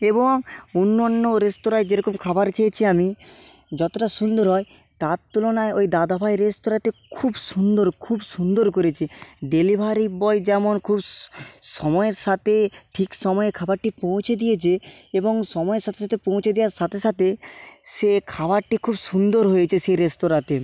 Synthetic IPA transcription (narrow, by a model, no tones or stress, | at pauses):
eboŋunːɔnːoɾestoɾaed͡ʑeɾɔkomkʰabaɾkʰet͡ɕʰiami | d͡ʑɔt̪oʈasund̪oɾɦɔe | t̪aɾt̪ulonaeojd̪ad̪apʰajɾest̪oɾat̪ekʰubsund̪oɾkʰubsund̪oɾk̬oɾet͡ɕʰiɖelibʱaɾibɔjd͡ʑɛmonkʰubʃɔmɔeɾʃat̪ʰeʈʰikʃɔmɔekʰabaɾʈipõw̃t͡ɕʰed̪ijet͡ɕʰeeboŋʃɔmɔeɾʃat̪ʰeʃat̪ʰepõwt͡ɕʰed̪iaɾʃat̪ʰeʃat̪ʰeʃekʰabaɾʈikʰubʃund̪oɾɦojet͡ɕʰeʃeɾesʈoɾat̪e